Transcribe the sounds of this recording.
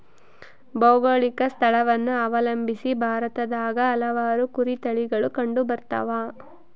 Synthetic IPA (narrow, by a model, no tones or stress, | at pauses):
bɐwɡɐɭikɐst̪ʰɐɭɐʋɐnːuɐʋɐlɐmbʱisibʱaːɾɐt̪ɐd̪aːɡɐːlɐʋaːɾukuɾit̪ɐɭiɡɐɭukɐɳɖubɐɾt̪ɐ̰ʋaː